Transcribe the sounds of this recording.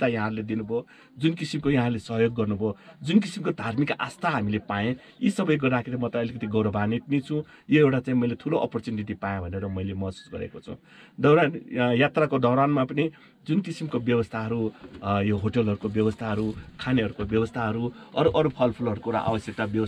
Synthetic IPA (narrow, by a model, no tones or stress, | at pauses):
t̪ajʌ̃ɦãrled̪inubʱo | d͡zunkisimkojʌɦãrlesʌɦjoɡːʌrnubʱod͡zunkisimkod̪ʱarmikʔa̰st̪ʰaɦamilepajẽ | jisʌbʌjɡʌrdakʰiɾemʌt̪ʌʌlikʌt̪iɡʌwɾʌbʱanit̪̚nit͡sʰũ | joewʈat͡saĩmʌjlet̪ʰuloʔʌpʌrt͡suniʈ̬ipajẽbʱʌneɾʌmʌjlemʌsu̥sɡʌɾḛkot͡sʰʌ̰̃w̃ | d̪ʌwɾanjat̪rakod̪ʱʌwɾanmapʌni | d͡zunkisimkobjʌbʌst̪ʰaɦʌɾujoɦoʈʌlɦʌɾukobjʌwʌst̪ʰaɦʌɾukʰaneɦʌɾukobjʌwʌst̪ʰaɦʌɾuʌɾuʔʌɾupʰʌlpʰulʌɾukoʈa̰ʔa̰bʌsjʌk̚t̪abjʌʌ